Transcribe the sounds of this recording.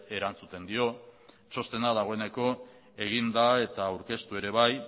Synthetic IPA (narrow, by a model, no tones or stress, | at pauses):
e̞ɾant͡sut̪e̞nd̪io̞ | t͡ʃo̞st̪e̞naðaɣ̞o̞e̞ne̞ko̞ | e̞ɣ̞ind̪ae̞t̪aːwɾke̞st̪ue̞ɾe̞βaj